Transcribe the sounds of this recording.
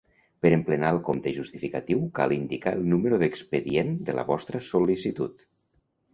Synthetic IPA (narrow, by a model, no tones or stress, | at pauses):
pəɾəmplənalˠkomt̪əʒust̪ifikat̪iwka̰lˠind̪ikaəlˠnuməɾuðəkspəðiend̪ələ̰βɔst̪ɾəsolisit̪ut̪